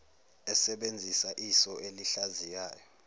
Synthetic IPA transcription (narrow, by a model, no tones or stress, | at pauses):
ɛsɛɓend͡zʱisaʔisɔeliɬazijaːjɔ